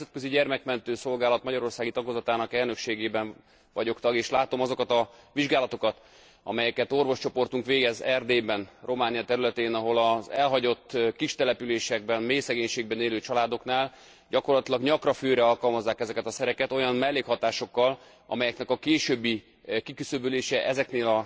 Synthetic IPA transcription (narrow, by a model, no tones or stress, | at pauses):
ɛmzɛt̪køziɟɛrmɛkmɛnt̪øːso̞lɡaːlɒt̪mɒɟɒɾo̞rsaːɡit̪ɒɡozɒt̪aːnɒkɛlnø̞kʃeːɡeːbɛn | vɒɟo̞kt̪ɒɡeːʃlaːt̪o̞mɒzo̞kɒt̪ɒ | ʋiʒɡaːlɒt̪o̞kɒt̪ | ɒ̰mɛjɛkɛt̪o̞rvo̞ʃt͡ʃo̞po̞rt̪uŋkʋeːɡɛzɛrd̪eːbɛnro̞maːnijɒt̪ɛɾylɛt̪eːnɒɦo̞lɒzɛlɦɒɟo̞t̪ːkiʃt̪ɛlɛpyleːʃɛɡ̚bɛnmeːjsɛɡeːɲʃeːɡ̚bɛneːlyːt͡ʃɒlaːd̪o̞knaːl | ɟɒko̞rlɒt̪ilɒɡɲɒkrɒføːɾɛɒlkɒlmɒzːaːkɛzɛkɛt̪ɒsɛɾɛkɛt̪o̞jɒmmɛlːeːkhɒt̪aːʃo̞kːɒl | ɒ̰mɛjɛknɛkɒkeːʃøːbːi | kikysøbyleːʃɛʔɛzɛkneːlɒ